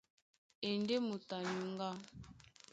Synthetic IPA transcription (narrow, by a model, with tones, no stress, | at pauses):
e˨nde˦mu˨ta˨ɲu˨ŋɡa˦